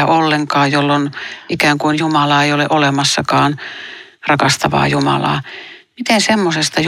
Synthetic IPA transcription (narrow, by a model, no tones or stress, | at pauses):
æʔolːeŋkɑːjolːonʔikæːŋkuinjumɑlɑːeioleʔolemɑsːɑkɑːn | rɑkɑst̪ɑʋɑ̰ːjumɑ̰lɑ̰ː | mit̪esemːosest̪ɑj